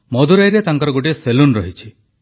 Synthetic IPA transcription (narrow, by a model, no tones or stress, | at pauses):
mɔd̪ʱuɾajɾet̪aŋkɔɾɔɡoʈieselunɾɔɦit͡ʃʰi